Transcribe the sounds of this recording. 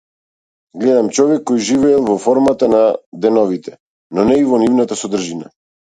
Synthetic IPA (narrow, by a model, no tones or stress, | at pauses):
ɡlɛd̪amt͡ʃɔvɛkːɔjʒivɛːlˠvɔfɔɾmat̪anad̪ɛnɔvit̪ɛ | nɔnɛivɔnivnat̪asɔd̪r̩ʒina̰